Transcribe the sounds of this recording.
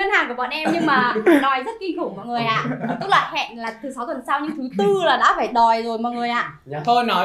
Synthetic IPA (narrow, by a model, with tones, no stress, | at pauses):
ŋə˧nhaː˨˩ŋku˧˩əɓɔ̰˧˨nʔɛ˧mɲɨ˧ŋmaː˨˩nɔ˨˦jzə˦˥t̚ki˧nku˧˩mɔ̰˧˨jŋɨ˨˩əjʔa̰ː˧˨˩t̪ʊ˦˥t̚la̰ː˧˨jhɛ̰˧˨nlaː˨˩t̪ʰɨ˨˦sa˨˦wt̪ə˨˩nsaː˧wɲɨ̰˧˥ŋt̪ʰɨ˨˦t̪ɨ˧laː˨˩ɗa̰ː˧˥faː˧˩jɗɔ˨˩jzo˨˩jmɔ̰˧˨jŋɨ˨˩əjʔa̰ː˧˨ | t̪ʰo˧jnɔ˨˦